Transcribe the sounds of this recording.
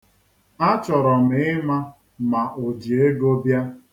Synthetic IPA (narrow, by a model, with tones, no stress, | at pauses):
a˦t͡ʃɔ˨ɾɔ˨m̩˨˦ɪ˦ma˦ | ma˨ʔo˨d͡ʒi˨e˦ɡo˦bja˦